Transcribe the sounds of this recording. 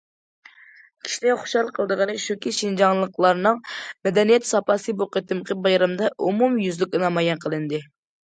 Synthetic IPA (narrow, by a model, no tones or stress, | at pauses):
kʲʰi̥ʃilɛχo̥ʃɑlˠqʰəlˠd̪əʁɑnɨkʲʃukʲiʃind͡ʒɑŋlˠəqlˠɑɾnɨŋmɛd̪ɛnijɛt̪sɑpɑsɨboqət̪ɨmqʰəbɑjɾɑmd̪ɑʔumumjyzlɪkʲɨnɑmɑjɛnqʰəlˠɨnd̪ɨ